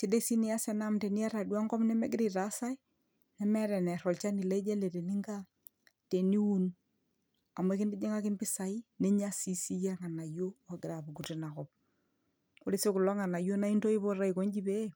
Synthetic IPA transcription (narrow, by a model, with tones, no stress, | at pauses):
t͡ʃe˦de˦si˦ni˨˦a˦sɛ˦na˦mte˨ni˦a˦ɾa˨dwa˦ŋɡɔ˦pnɛ˦mɛ˦ɡɪ˦ɾi˨ta˨˦sa˦i˦ | nɛ˦mɛ˦ɾɛ˨nɛ˨ɾɔ˨lt͡ʃa˦ni˨le˦d͡ʒɛ˦le˨ɾe˨ni˦ŋɡa˦ | te˨ni˦u˦n | a˨me˦kɪ˦ndi˦ɲe˦ŋa˦kɪ˦nbɪ˦sa˨i˦ne˦ɲa˦si˨si˦ja˦ŋa˨na˨jo˦a˨ɡɪ˨ɾa˨bu˨ɡu˨ti˨na˨kɔ˦p̚ | o˦ɾi˦se˦ku˨lɔ˦ŋa˨na˨jo˦na˦i˦nto˦i˦βo˦ɾa˦i˨ko˦ɲd͡ʒi˦be˦